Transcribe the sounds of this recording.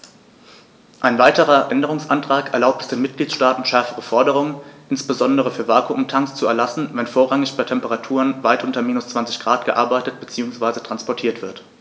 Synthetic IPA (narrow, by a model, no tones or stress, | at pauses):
ʔaɪnvaɪtəʁɐʔɛndəʁʊŋsʔantʁ̥aːkɛɐlaʊp̚tɛ̥sd̥eːnmɪt̚ɡ̥liːtʃtaːtn̩ʃɛɐfəʁəfɔɐdəʁʊŋənʔɪnsb̥əzɔndəʁəfyːɐvaːkuʔʊmtʰaŋst͡suɛɐlasn̩vɛnfoːɐʁaŋɪçb̥aɪtʰɛmpəʁatʰuːʁənvaɪtʔʊntɐmiːnʊst͡sv̥ant͡sɪ̥çɡ̥ʁaːtɡ̥əʔaɐbaɪtətb̥ət͡siːʊŋsv̥aɪzətʁ̥anspɔɐtʰiːɐtv̥ɪɐt